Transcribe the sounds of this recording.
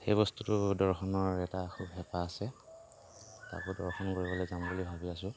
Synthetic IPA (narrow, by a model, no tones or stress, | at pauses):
xejbɔstutʊdɔɹxɔnɔɹɛtaxʰubɦɛpaːsɛ | ta̰kʊdɔɹxɔnkoɹibɔlɔzambulibʱabiasʊ̃